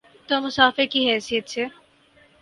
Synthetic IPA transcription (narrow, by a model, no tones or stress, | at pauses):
t̪omʊsaːfɪɾkiɦɛːsijət̪̚t͡ʃʰɛː